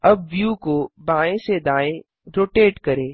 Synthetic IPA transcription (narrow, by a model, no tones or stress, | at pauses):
ɐb̚ʋjuːkobaːẽsed̪aːẽ | ɾoːʈeːʈkɐɾẽː